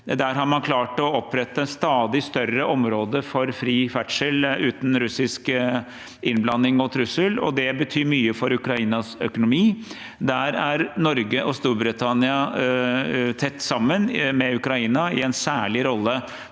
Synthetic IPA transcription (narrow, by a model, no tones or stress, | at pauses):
d̪æɾɦɑɾmɑnkʰlɑːʈɔɔpʰːɾɛt̪ːəɛnst̪ɑːd̪ɪst̪œrəʔɔmɾoːd̪əfɔɾfɾiːfæʈʂəlʉːt̪n̩ɾʉsɪsk | ɪnblɑnːɪŋɔt̪ʰɾʉsəlɔ̰d̪ɛbət̪ʰyːɾmyːəfɔɾʉkɾɑiːnɑsœ̰kʊnʊmiː | d̪æɾæɾnɔɾɡəʔɔst̪uːɾbɾɪt̪ʰɑnɪɑ | t̪ʰɛt̪ːsɑmːənmɛʉkɾɑiːnɑɪɛnsæːɭɪɾɔlːə